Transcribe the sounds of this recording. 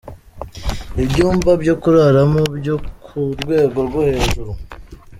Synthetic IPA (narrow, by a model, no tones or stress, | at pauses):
ibɟuːmbabɟo̞kuɾaɾamobjokuɾɡwe̞ːɡo̞ɾɡwohe̞ːʒuɾu